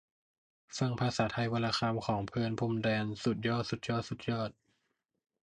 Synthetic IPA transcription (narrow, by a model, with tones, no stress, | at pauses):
fa˧ŋpʰaː˧saː˨˩˦t̪ʰa˧˩jwa˧laː˧xʰaː˧mkʰɔː˩˦ŋpʰɯː˧npʰu˧mdɛː˧nsu˨˩t̪̚jɔː˥˩t̪̚su˨˩t̪̚jɔː˥˩t̪̚su˨˩t̪̚jɔː˥˩t̪̚